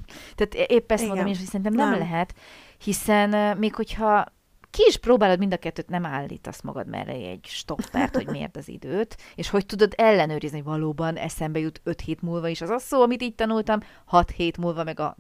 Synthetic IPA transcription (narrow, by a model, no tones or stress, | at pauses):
t̪aːt̪ʔeːpːɛst̪monomeːniʃhocsɛɾint̪ɛmnɛmlɛɦɛt̪ | hisɛnmeːkho̞chɒ | kiːʃproːbaːlo̞d̪mind̪ɒkɛt̪ːøːt̪nɛmaːlːḭːt̪ɒ̰smɒ̰ɡɒ̰d̪mɛ̰rɛ̰ɛ̰ɟʃt̪o̞pːɛ̰rt̪ho̞̰ɟmḛːrt̪ɒzḭd̪øːt̪eːʃho̞c̚t̪ud̪o̞d̪ɛlːɛnøːɾizniɦovɒloːbɒnɛ̰sɛmbɛjut̪ø̞t̪heːt̪mulvɒiʃɒzɒsoːɒmit̪iːɟ̚t̪ɒnult̪ɒm | hɒt̪heːt̪mulvɒmɛɡɒ̰